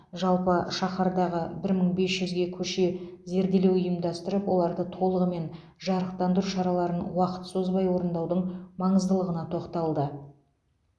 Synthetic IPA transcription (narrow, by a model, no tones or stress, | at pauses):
ʒɑlˠpəʃɑχɑɾd̪ɑʁəbɪɾməɴbe̞sʒʏzɡʲe̞kʲʰɵʃe̞ze̞ɾd̪e̞le̞wʏjəmd̪ɑst̪əɾəpwo̞lˠɑɾd̪ət̪ʰo̞lˠəʁəme̞n | ʒɑɾəq̚t̪ɑnd̪əɾuʃɑɾɑlˠɑɾənwɑqə̥t̪sozbɑjwo̞ɾənd̪ɑwd̪əɴmɑɴəzd̪əlˠəʁənɑt̪ʰo̞qt̪ɑlˠd̪ə